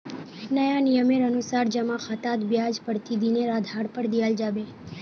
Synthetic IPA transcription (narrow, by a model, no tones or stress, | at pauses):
nəjanijəmeɾənusaɾd͡ʒəmãxʰət̪ad̪bjad͡ʒpəɾt̪ʰid̪ineɾad̪ʱaɽpəɾd̪iald͡ʒabe